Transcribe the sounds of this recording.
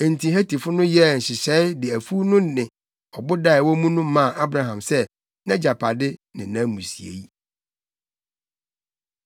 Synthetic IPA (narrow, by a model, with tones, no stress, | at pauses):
ɛ̃˨n̩˨tʰĩ˨ɦæ˦ti˨fʊ˦nʊ̃˦jɛ˦˨ɕɪ˨ɕɛ˨˦ɪ˦dɪ˨æ˨fu˦nʊ̃˦nɪ̃˨ | ɔ˨bʊ˦da˦˨ɪ˨wɔ˦mũ˦nũ˦mã˦˨ʔa˦bɾa˦ɦã˨msɛ˦ | nã˦d͡ʑa˨pʰa˨dɪ˦nɪ̃˨nã˦mũ˨si˨ḛ˨ji˦